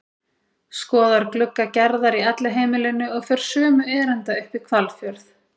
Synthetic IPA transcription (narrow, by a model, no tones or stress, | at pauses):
skɔːðaɾklʏkːacɛɾðaɾiɛt̪laɦeːjmɪlɪnʏɔɣfɛːɾ̥sœːmʏɛːɾɛnt̪aʏhpikʰvalfjœɾθ